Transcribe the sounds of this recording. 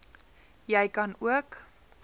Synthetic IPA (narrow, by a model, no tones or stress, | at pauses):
jəjkɐnuək